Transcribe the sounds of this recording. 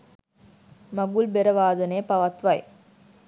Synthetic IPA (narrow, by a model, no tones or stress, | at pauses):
mɐɡulbɛɾɐʋaːðɐneːpɐʋɐt̪ʋaj